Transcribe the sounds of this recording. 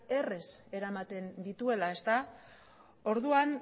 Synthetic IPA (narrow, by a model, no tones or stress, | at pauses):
e̞re̞se̞ɾamat̪e̞nd̪it̪ue̞lae̞st̪a | o̞ɾðuan